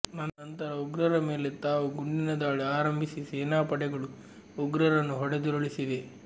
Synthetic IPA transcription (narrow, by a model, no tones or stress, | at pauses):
nɐnːɐnt̪ɐɾɐuɡɾɐɾɐme̞ːlet̪aːʋuɡuɳɖinɐd̪aːɭiaːɾɐmbʱisiseːnaːpɐɽɛɡɐɭu | uɡɾɐɾɐnːuɦɔɽed̪uɾoɭisid̪e